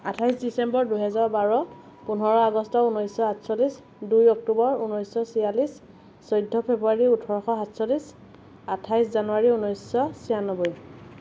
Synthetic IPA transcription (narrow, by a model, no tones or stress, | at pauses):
atʰajsdisembɔɹduɦɛzaɹbaɹɔ | punɦɔɹɔaɡɔstɔunɔjsɔatsɔlis | dujɔk̚tubɔɹunɔjsɔsijalis | sɔjdʱːɔpʰebuaɹiutʰɔɹɔxɔɦatsɔlis | atʰajszanuaɹiunɔjsːɔsijanɔbɔj